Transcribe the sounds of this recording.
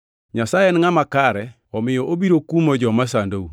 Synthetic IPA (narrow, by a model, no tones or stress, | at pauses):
ɲasajɛnɪŋamakaɾɛ | ɔmɪjɔʔobiɾokumɔd͡ʒɔmas̬andou